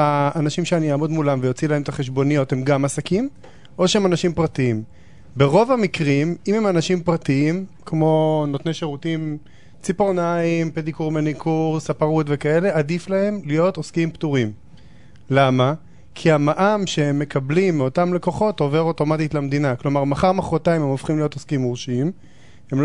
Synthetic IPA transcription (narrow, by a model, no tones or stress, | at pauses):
aːnaʃimʃeanijaːmod̪mulamvejo̞t͡silahemt̪aχe̞ʃ̬bo̞nijo̞the̞mɡamasakim | ʔo̞ʃeemanaʃimpʁatiim | beʁovamikʁimimemanaʃimpʁatiim | kmo̞no̞tnejʃeʁutim | t͡sipoʁnaimpedikuʁmenikʰuʁsapaʁutve̞kae̞le̞ʔadiflahe̞mlijo̞toskimptuʁim | lama | kʰiamaʔamʃeemːe̞kablimːeotamle̞ko̞χo̞to̞ve̞ʁo̞to̞matitlamed̪inaklo̞maʁmaχaʁmaχʁotaimhemofχimlijo̞toskimʁuʃiim | heml